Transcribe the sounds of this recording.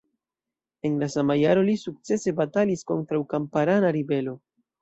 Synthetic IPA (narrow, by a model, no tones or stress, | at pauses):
e̞nlasamajaɾo̞lisuk̚t͡se̞se̞batalisko̞ntɾawkampaɾanaɾibe̞lo̞